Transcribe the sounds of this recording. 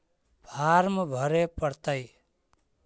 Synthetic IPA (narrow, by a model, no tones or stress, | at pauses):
bʰarmʌbʱʌɾepʌɾt̪ʌj